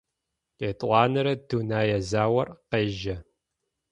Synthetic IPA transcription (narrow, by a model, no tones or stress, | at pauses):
eːtʼʷɑːnɨɾɐduːnaːjɛzaːwɐrqeːʒɐ